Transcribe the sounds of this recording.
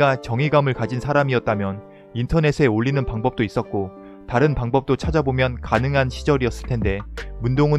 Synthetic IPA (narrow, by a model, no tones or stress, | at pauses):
ɡat͡ɕʌŋiɡamɯɭkad͡ʑinsʰaɾamiʌt̚t͈amjʌn | intʰʌne̞sʰe̞oʎːinɯnpaŋbʌp̚t͈ois͈ʌt̚k͈o | taɾɯnpaŋbʌp̚t͈ot͡ɕʰad͡ʑabomjʌnkanɯŋɦanɕʰid͡ʑʌɾiʌs͈ɯ̥ɭtʰe̞nde̞mundoŋɯ